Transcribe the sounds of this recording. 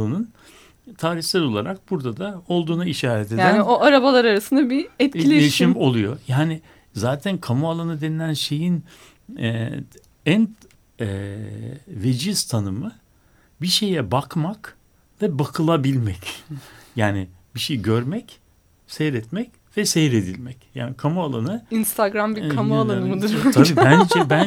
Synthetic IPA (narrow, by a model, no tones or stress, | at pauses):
ɯnɯn | t̪ʰaːɾiçsʲˠaɾo̞lˠaɾak̚buɾd̪ad̪ao̞lˠd̪uːnaiʃaːɾɛt̪ʰe̞djaːænoaɾabalˠaɾaɾasɯnd̪abiɛt̪ilʲeeʃimo̞lˠujo̞jaːnɪ | zaːt̪ʰænkʰamualˠanɯd̪e̞nilʲænʃe̞jin | ɛ | æn | ɛ | ved͡ʒiz̥t̪ʰanɯmɯ | biʃe̞jɛbakmak | vɛbakʰɯlˠabilʲmɛcjaːnɪ | b̥iʃejiɟøɾmɛc | sɛjɾɛt̪mɛc | vɛsɛjɾed̪ilʲmɛcja̰ːnikʰamualˠanɯinst̪ʰaɡɾambikʰamualˠanɯmɯd̪uɾʰabiːænd͡ʒɛbæ